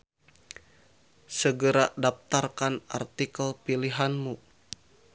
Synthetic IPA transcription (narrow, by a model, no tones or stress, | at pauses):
səɡəɾadap̚t̪arkana̰rt̪ikəlpiliɦanmu